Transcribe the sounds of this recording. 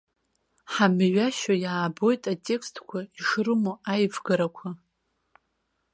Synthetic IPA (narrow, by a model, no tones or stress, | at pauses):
ħamɥaʃajaːbo̞jtʼatʼe̞kstʰkʷʰaiʂrɨmoajvɡaɾakʷʰa